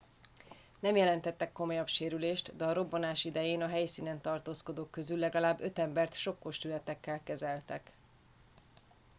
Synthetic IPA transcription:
nɛmjɛlɛnt̪ɛt̪ːɛkːo̞mo̞jɒpʃeːɾyleːʃt̪d̪ɛɒɾo̞bːonaːʃid̪ɛjeːnɒɦɛjsiːnɛnt̪ɒrt̪oːsko̞d̪oːkːø̞zylːɛɡɒlaːbːø̞t̪ɛmbɛrt̪ʃo̞kːo̞ʃt̪ylɛt̪ɛkːɛlkɛzɛlt̪ɛk

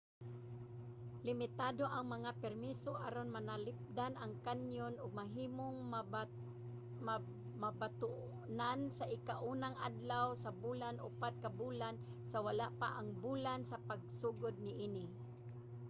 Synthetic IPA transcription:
lɪmɪt̪aːd̪oʔaŋmaŋapɛɾmisoʔaɾonmanalɪp̚d̪anaŋkanjonʊɡ̚maɦiːmoŋ | ma | mabat̪ʊʔ | nansaʔɪkaʔuːnaŋad̪lawsabulanʔʊ̰pat̪̚kabuːlan | sawalaʔpa̰ʔaŋbuːlansapaɡ̚suːɡʊd̪̚nɪʔiːnɪ

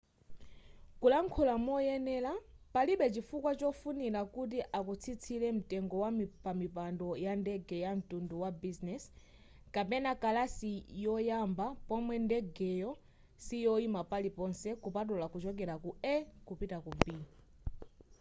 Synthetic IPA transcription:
kulaŋkʰɔlamɔjɛnɛːlapaliɓɛt͡ʃifukwat͡ʃɔfunilakut̬iʔakut͡sʰit͡sʰilɛm̩tɛŋɡɔwampamipandɔjandɛɡɛjam̩tunduwabiznɛs | kapɛnakalasijɔjambapɔmwɛndɛɡɛjɔ | sijɔimapalipɔnsɛkupat̬ulakut͡ʃɔk̬ɛɾakuɛkupitakumbi

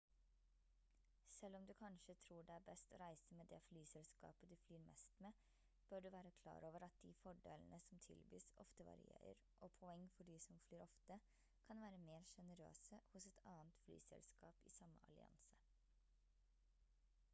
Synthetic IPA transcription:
sɛlːɔmd̪ʉkʰɑnʃət̪ʰɾuːɖɛæːɾbɛst̪ɔɾæɪsəmeːd̪ɛflyːsɛlskɑ̰ːpəd̪ʉflyːɾmɛ̰st̪meː | b̥øɖʉʋæːɾəkʰlɑ̰ːɾoːʋəɾɑt̪̚d̪ifɔɖḛːlənəsɔmt̪ʰɪ̰lbḭːsɔ̰ft̪əʋɑ̰ɾɪ̰ḛːɾə̰ɾʔɔpʰɔɛŋːfɔɖiːsɔmflyːɾɔft̪ə | kʰɑnʋæːɾəmeːɾʂɛnəɾø̰ːsəhʊsɛt̪ʰɑːnt̪fly̰ːsɛ̰lskɑːpḭːsɑmːə̰ʔɑ̰lɪ̰ɑ̰nsə

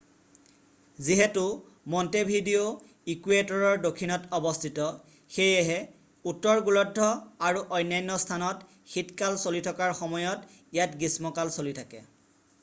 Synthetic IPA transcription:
ziɦɛtu | mɔntebʱidio | ikuetɔɹɔɹdokʰːinɔtɔbɔstʰitɔ | xejɛɦɛ | utːɔɹɡulɔdʱːɔaɹuʔɔjnːajnːɔstʰanɔt | xitkalsolitʰɔkaɹxɔmɔjɔt | ijatɡismɔkalsolitʰakɛ̰

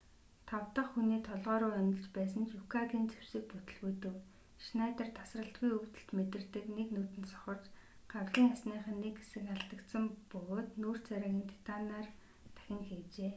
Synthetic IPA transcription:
t̪ʰawt̪ə̆χxuniːt̪ʰɔɮʁœːɾʊːœnʲɪ̆ɮt͡ɕpæːsə̆nt͡ɕʊkʰaɣiːnt͡sew̥sɘ̆k̚put̪ɵ̆ɮɣujt̪ɘ̆w | ʃnajt̪ărt̪ʰḁsrə̆ɬt̪̚ɡujɵkt̪ɘ̆ɬt̪met̪ɘ̆rt̪ɘ̆kneknuːt̪ɘ̆nt̪sɔ̥χɞ̆rt͡ɕ | ɢ̥awɮiːŋasniːχə̆nːekesɘ̆kaɬt̪ə̆kt̪sə̆mpɵɣoːt̪nuːr̥t͡sʰæɾaːɣʲiːnt̪ʰi̥t̪ʰanaːr | t̪ʰæ̥xʲɪ̆ŋxiːt͡ɕeː

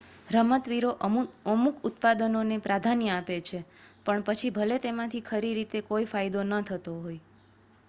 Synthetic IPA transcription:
ɾəmət̪ʋiɾoʔəmukʊt̪̚pad̪ənonepɾad̪ʱanijapet͡ʃʰepəɳpət͡ʃʰibʱəlet̪emãt̪ʰikʰəɾiɾit̪ekoifajd̪onət̪ʰət̪oɦoj

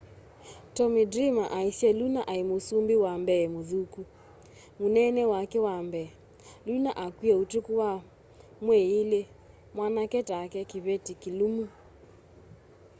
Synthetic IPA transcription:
tɔmidɾimaʔaisjɛlunaʔaimosumbiwambɛmoðuku | munɛnɛwakɛwambɛ | lunaʔakwiɛutukuwa | mweile | mwanakɛtakɛkiβetikilumu

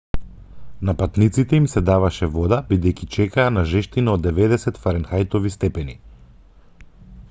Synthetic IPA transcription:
napat̪nit̪sit̪ɛimsɛd̪avaʃɛvɔd̪abid̪ɛjkʲit͡ʃɛkaːnaʒɛʃt̪inaɔd̪ːɛvɛd̪ɛsɛt̪faɾɛnxajt̪ɔvist̪ɛpɛni

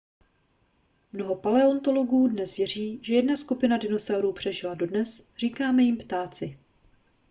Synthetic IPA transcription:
mno̞ɦo̞palɛo̞nt̪o̞lo̞ɡuːdnɛsvjɛr̝iːʒɛjɛdnaskupɪnadɪno̞sawɾuːpr̥ɛʒɪlado̞dnɛsr̝iːkaːmɛjɪmpt̪aːt͡sɪ

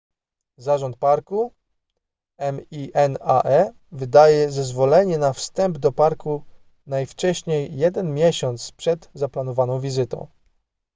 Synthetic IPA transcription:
zaʐɔnt̪̚paɾku | ɛmiʔɛna̰ʔɛ | vɘd̪ajɛzɛzvɔlɛɲɛnafst̪ɛmbd̪ɔpaɾku | najft͡ʂɛɕɲejːɛd̪ɛnmʲjɛɕɔnt̪spʂɛd̪zaplanɔvanɔ̃w̃vʲizɘt̪ɔ̰̃w̃

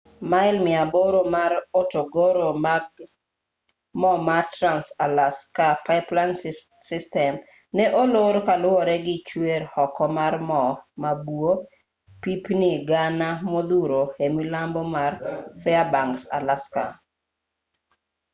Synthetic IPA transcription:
maɪlmɪaboɾomaɾotoɡoɾo | mɔmatɾansalaskapaɪplan | sɪstɛm | nɛʔoloɾokalwɔɾɛɡɪt͡ʃweɾhɔkɔmarmɔmabuo | pipnɪɡanamod̪uɾohemilambomarfɛabaŋksa̰laska

